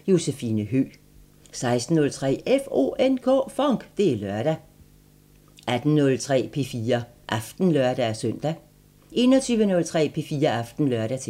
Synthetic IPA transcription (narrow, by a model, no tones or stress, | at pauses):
jo̝sefiːnəɦø̰ | sɑ̈ɪsd̥n̩ːɔ̽lt͡sʰʁɛ̰ːefo̝̰ːenkʰɔ̰ːfɒŋɡ̥d̥e̝ælɶɐ̰ɾ̥æ | æd̥n̩nɔ̽lt͡sʰʁɛ̰ːpʰe̝fiːɐ | ʔɑfd̥n̩lœɐd̥æsœn̰d̥æ | e̝ːnɒt͡sʰyːʋənɔ̽lt͡sʰʁɛ̰ːpʰe̝fiːɐɑfd̥n̩lɶɐɾ̥æt͡sʰ